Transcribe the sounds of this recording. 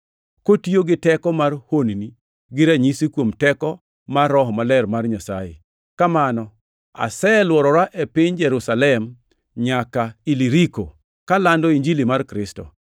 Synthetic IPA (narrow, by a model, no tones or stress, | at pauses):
kotioɡɪtɛkɔmarhonini | ɡɪɾaɲisikwomtɛkɔ | marːɔɦɔmalɛɾmarɲasa̰jɪ̰ | kamanɔ | a̰sɛlwɔɾɔɾaʔepɪɲd͡ʒɛɾusalɛm | ɲakailiɾiko | kalandɔiɲd͡ʒilimarkɾɪstɔ̰